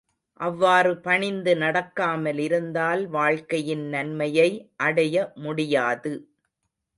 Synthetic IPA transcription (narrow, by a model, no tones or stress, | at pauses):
ʔɐʋːaːrɯpɐɳɪnd̪ɯnɐɽɐkːaːmɐlɪɾɯnd̪aːlʋaːɻkɐjɪnnɐnmɐjɐɪʔɐɽɐjɐmʊɽɪjaːðɯ